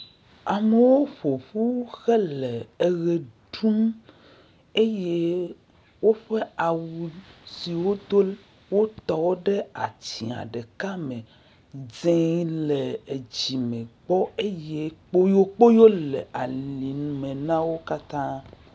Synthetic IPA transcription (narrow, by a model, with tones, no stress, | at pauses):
a˨me˨wo˦ɸo˨ɸu˦xɛ˦lɛ˨e˨ɣe˨ɖu˦m | e˦je˦ | wo˦ɸe˦a˨wu˨si˨wo˦d̪o˦ | wo˦t̪ɔ˨wo˦ɖe˦a̰˨t͡ɕi˨a̰˨ɖe˨ka˦mẽ˨ | zẽ˦le˨e˨d͡ʑi˨mẽ˨ɡ͡bɔ˦e˦je˦k͡po˦jo˦k͡po˦jo˦lɛ˨ʔa˨li˨nũ˨mẽ˨nã˦wo˦ka˦t̪ã˦